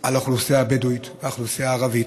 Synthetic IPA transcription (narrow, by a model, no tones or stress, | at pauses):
aloχlusijabeduit̪veaχlusijaːʁavi